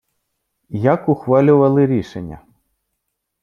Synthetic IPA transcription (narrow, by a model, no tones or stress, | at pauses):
jɐkʊxʋɑlʲʊʋɐlˠɪɾʲiʃenʲːɐ̰